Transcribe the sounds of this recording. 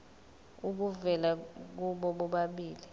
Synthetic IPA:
uk̬uvɛlak̬uɓɔɓɔɓaɓiːli

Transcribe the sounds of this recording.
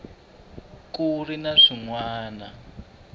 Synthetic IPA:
kurinaʂiŋwaːna

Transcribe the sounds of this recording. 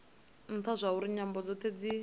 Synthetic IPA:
n̩t̪ʰazʷauɾiɲambɔd͡zɔt̪ʰed͡zi

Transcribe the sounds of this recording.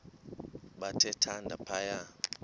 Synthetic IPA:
ɓatʰɛtʰandʱapʰaja

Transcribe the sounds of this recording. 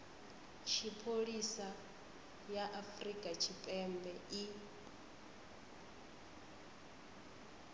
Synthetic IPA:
t͡ʃʰipʰoɺisa | jaʔafrikʼat͡ʃʰipʼɛmbɛi

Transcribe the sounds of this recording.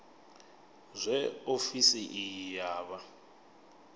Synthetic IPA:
zʷɛofisiʔijaːβa

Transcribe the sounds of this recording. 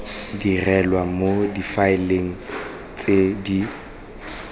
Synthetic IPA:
dirɛlwamodifaɪleŋ̩ | t͡sʼedi

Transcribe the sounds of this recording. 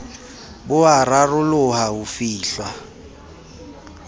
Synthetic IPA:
bʊararʊlʊhaʊfiːɬwa

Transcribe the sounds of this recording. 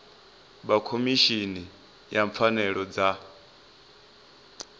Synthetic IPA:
ɓakʰomiʃini | jaɱp̪fanɛɺɔd͡za

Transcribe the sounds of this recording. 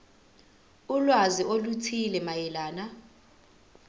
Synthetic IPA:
ulwaziʔolutʰilɛmajɛlaːna

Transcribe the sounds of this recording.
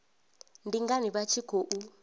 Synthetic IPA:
ndiŋɡaniɓat͡ʃʰiɡ̥ʱoʔu

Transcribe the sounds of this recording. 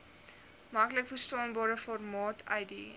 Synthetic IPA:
mɐkləkfərstɑːnbɑːɾəfɔrmɑːtʰɐjdḭ

